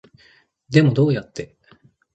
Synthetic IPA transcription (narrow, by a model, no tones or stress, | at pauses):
d̪e̞mo̞d̪o̞ːjat̪ːe̞